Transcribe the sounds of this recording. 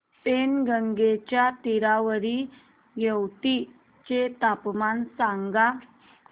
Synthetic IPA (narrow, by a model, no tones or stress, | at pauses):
penɡəŋɡet͡ɕjat̪iɾaʋəɾi | ɡewt̪i | t͡ɕet̪apmansãŋɡa